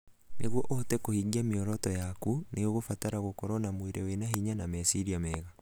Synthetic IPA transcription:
neɣwɔʔɔtɛkohiɡiameɔɾɔtɔjakuneoɣofataɾaɣokɔɾɔnamweɾewenaɦiɲanamɛsiɾiamɛːɣa

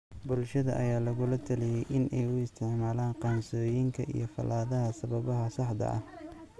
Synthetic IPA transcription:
bʊlʃɐðɐ̰ʔɐjaːlɐɣʊlɐt̪ʰɐlɪjɛjʔɪnʔɛjʊɪst̪ʰɪʕmaːlaːɴqɑːnsɔːjɪŋkʰɐʔḭjɞfɐ̰laːðɐɦɐsɐβɐβɐɦɐsɑħd̪ɐ̰ʔɐ̰h

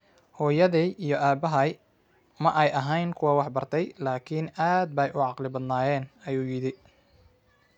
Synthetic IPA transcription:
hɔːjɐðiijɔʔaːbɐɦɐj | mɐʔɛjɐɦɛjnkʰʊwɑːwɑħbɐrt̪ʰɛjlaːkʰinaːd̪̚bɐjʔʊʕɑqlɪbɐd̪naːjɛːnɐjuːjɪɽɪ

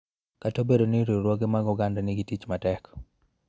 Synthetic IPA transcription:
katobedoniɾiɾwoɡemaɡɔɡandɛnɪɡitit͡ʃmatɛk

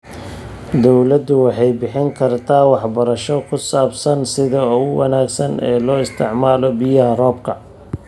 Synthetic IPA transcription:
d̪ɔwlɐd̪ʊwɑħɑjbɪħɪŋkʰɐrt̪ʰaːwɑħbɐɾɐʃɔkʰʊsaːbsɐnsɪðɐɔɣʊwɐnaːɡsɐnɛ̰ːlɔːɪst̪ʰɪʕmaːlɔbɪjɐɦɐrɔːbkʰɐ

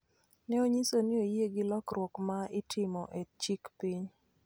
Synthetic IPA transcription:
nɛoɲisonɪojeɡɪlɔkɾwɔkmaɪtʰɪmɔʔet͡ʃikpiɲ

